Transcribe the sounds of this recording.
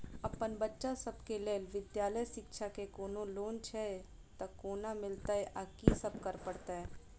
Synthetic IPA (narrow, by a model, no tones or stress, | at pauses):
ɐpənbətːʃasɐbkeleːlʋɪd̪jaːləjsɪkʃʰakekoːnõloːnt͡ʃʰɛe | t̪ɐkoːnamɪlt̪aɦɛʔakisɐbkəɾpəɽt̪aɦɛː